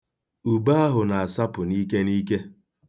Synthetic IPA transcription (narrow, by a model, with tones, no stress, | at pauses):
u˨ba˦a˦ɦʊ˨na˨a˨sa˦pʊ˨ni˦ke˦ni˦ke˦